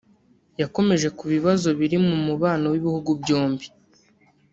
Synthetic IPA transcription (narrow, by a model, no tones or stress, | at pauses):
jako̞me̞ʒe̞kuβiβazo̞βiɾimumuβaːnowiβihuɡubjoːmbi̥